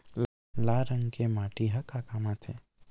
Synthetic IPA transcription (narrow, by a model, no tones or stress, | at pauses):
l | laɾəŋkemaːʈiɦɐkakamat̪ʰḛ